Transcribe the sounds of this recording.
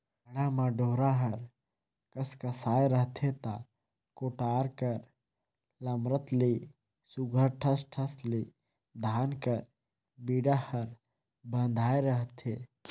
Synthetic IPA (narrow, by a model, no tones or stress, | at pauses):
ɐɽamãɖoːɾaɦɐɾ | kɐskɐsaːeɾəɦt̪ʰet̪a | koːʈaːɾkəɾ | lɐmɾət̪liː | suɡʱəɾʈʰəsʈʰɐsliː | d̪ʱaːnkəɾ | biːɽahɐɾ | bə̃nd̪ʱaːeɾəɦt̪ʰeː